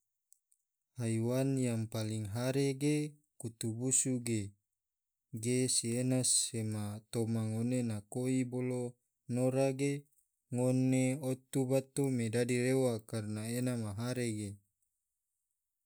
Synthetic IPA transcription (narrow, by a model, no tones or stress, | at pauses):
hajwanjaŋpaliŋɦaɾeɡe | kut̪ubusuɡe | ɡesienasemat̪omaŋonenakoibolo | noɾaɡe | ŋoneot̪ubat̪omedadilewakarnaenamaɦaɾeɡe